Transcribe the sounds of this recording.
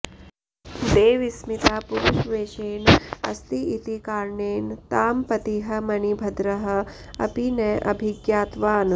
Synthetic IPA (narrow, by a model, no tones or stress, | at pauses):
d̪eːʋismit̪aːpuɾuʃʋeːʃeːnɐ̰st̪iit̪ikaːɾɳeːnt̪aːmpɐt̪iɦɐmɐnibʱɐd̪ɾɐɦɐ̆ | ɐ̰pinɐʔɐbʱiɡjaːt̪ʋaːn